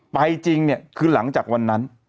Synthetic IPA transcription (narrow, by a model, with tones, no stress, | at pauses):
pa˧jt͡ɕi˧ŋni˥˩əkʰɯː˧la˩˦ŋt͡ɕaː˨˩k̚wa˧nːa˦˥n